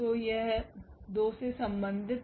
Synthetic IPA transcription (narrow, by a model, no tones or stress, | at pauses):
oːjeɦd̪oːsesɐ̃mbə̃nd̪ʱɪt̪